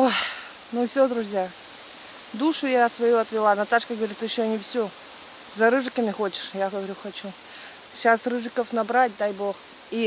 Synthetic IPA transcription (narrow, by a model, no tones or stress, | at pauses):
o | nufsʲod̪ɾʊzʲja | d̪uʂʊjasvɐjuɐt̪vʲɪlˠanɐt̪aʂkəɡəvɐɾʲit̪jɪɕːonʲɪfsʲo | zɐɾɨʐɨkəmʲɪxot͡ɕɪ̥ʂjaɡəvɐɾʲuxɐt͡ɕu | ɕasrɨʐɨkəfnɐbɾat̚ʲd̪ajbo̞x | i